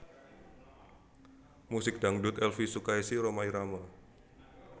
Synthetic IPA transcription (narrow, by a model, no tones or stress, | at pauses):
musɪk̚d̥aŋdut̪ɛlfisukaisiɾomaiɾama